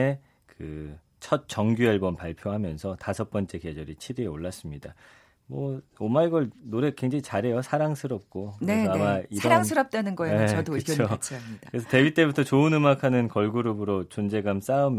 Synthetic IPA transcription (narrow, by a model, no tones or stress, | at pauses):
e | kɯ | t͡ɕʰʌt̚t͡ɕ͈ʌŋɡjuaɭbʌmpaɭpʰjoɦamjʌnsʰʌtasʰʌp͈ʌnt͡ɕ͈e̞ke̞d͡ʑʌɾit͡ɕʰiɾieoɭːas͈ɯmɲida | mwʌ | omaiɡʌɭnoɾe̞kweŋd͡ʑaŋit͡ɕaɾɦe̞josʰaɾaŋsʰɯɾʌp̚k͈okɯɾneʌamaiʌaɾaŋsʰɯɾʌp̚t͈wenɯnɡʌeeʌdoɯot͡ɕʰaikaɯɾesʰʌte̞bit͈e̞butʰʌt͡ɕoɯnɯmakʰanɯnkʌɭɡuɾubɯɾot͡ɕond͡ʑe̞ɡams͈aɯm